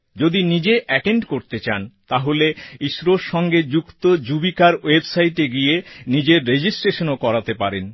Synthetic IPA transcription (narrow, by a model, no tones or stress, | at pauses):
d͡ʑod̪inid͡ʑeʔɛʈeɳɖkoɾt̪et͡ɕant̪aɦoleiʃɾoʃɔŋɡed͡ʑukt̪od͡ʑubikaɾwebsajʈeɡijenid͡ʑeɾːed͡ʑisʈɾeʃonokɔɾat̪epaɾen